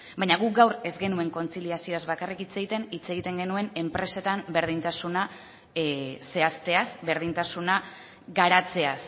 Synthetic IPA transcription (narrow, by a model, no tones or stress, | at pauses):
bajɲaɣukɡawɾe̞zɡe̞nue̞ŋko̞nt͡siliasioazβakarikit͡se̞ɣit̪e̞nit͡se̞ɣ̞it̪e̞ŋɡe̞nue̞ne̞mpɾe̞se̞t̪ambe̞ɾð̞int̪asuna | se̞ast̪e̞asbe̞ɾð̞int̪asuna | ɡaɾat͡se̞as